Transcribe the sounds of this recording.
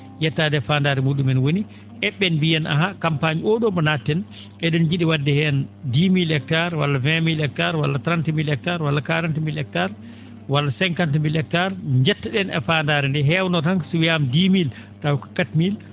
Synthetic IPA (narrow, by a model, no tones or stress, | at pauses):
jɛtːadɛfandaɾɛmuɗumɛnwoni | ʔɛɓːɛnbijɛnʔa̰ɦakampaɲiɔɗɔbɔnatːɛn | ʔɛɗɛnd͡ʒiɗiwadːɛhɛndimilɛk̚taɾwalːavɛmilɛk̚taɾwa̰lːatɾantmilɛk̚taɾwalːakaɾantmilɛk̚taɾ | walːasɛŋkantmilɛk̚taɾɲd͡ʒɛtːaɗɛnɛ̰faːndaːɾɛndɛɦɛwnɔtaŋsuwijamdimil | tawkḁkatmil